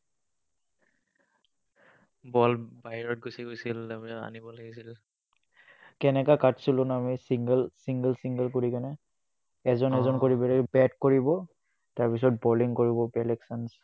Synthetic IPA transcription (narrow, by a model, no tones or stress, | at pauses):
bɔlbaɦiɹɔt̚ɡusiɡojsilamia̰nibɔlaɡisil | kɛnɛkakatsulɔnamisiŋɡəlsiŋɡəlsiŋɡəlkoɹikanɛ | ɛzɔnɛzɔnkoɹibɛɹɛbɛtkoɹibɔ | taɹpis̬ɔt̚bɔliŋkoɹibɔpɛlɛksans